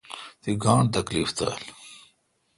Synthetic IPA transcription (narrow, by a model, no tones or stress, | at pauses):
t̪iɡaːɳt̪ɐkliːft̪a̰ːl